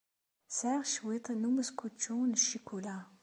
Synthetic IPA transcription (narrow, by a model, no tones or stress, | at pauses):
saʁʃwit̪ˤnuməskut͡ʃːunʃikula